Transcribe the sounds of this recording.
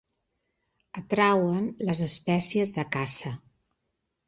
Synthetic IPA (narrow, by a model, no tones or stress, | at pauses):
ət̪ɾawənləzəspɛsiəzðəkasə